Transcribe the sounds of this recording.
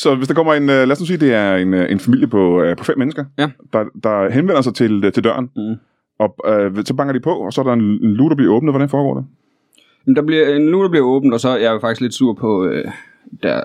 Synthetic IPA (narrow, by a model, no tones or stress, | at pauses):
sɒ̽ʋe̝sd̥ɑ̈kʰɒ̽m̰ɐe̝nølɛæːsnusiːd̥e̝æɐe̝nʔe̝nfæmil̰jəpʰɒ̽pʰɒ̽femːenəsɡ̥ɐd̥ɑ̈d̥ɑ̈ɦenʋen̰ɐs̬ɑ̈ɪt͡sʰe̝lt͡sʰe̝ld̥ɶɐn | ʔɒ̽øsɒ̽b̥ɑ̈ŋɐd̥ipʰɒ̽ɒ̽sɒ̽æɐɾɑ̈e̝ne̝nluːd̥ɑb̥liɐɔ̽ːb̥nð̩ʋɒɾænfɒːɡɒ̰ːd̥e̝ | jm̩d̥ɑ̈b̥liɐenluːd̥ɑb̥liɐɔ̽ːb̥n̩d̥ɒsɒ̽æjfɑ̈ɡ̥isɡ̥le̝d̥suɐ̰pʰɒ̽ø | d̥æɐ